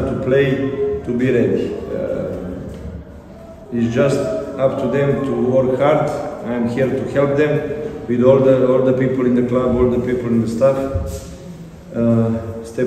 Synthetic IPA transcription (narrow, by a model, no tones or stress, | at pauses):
t̪upʰleɪt̪ubiɾɛdi | ɪsd͡ʒast̪apt̪ʰuðɛ̃mt̪ʰuwɔɾkhaɾd̪aj̃mhiɾt̪uhɛlp̚d̪ɛ̃mwɪðɔld̪əɔlˠd̪əpipəl̩ˠɪ̃nd̪əklabɔlˠd̪əpipəl̩ˠɪ̃nd̪əst̪af | st̪ɛ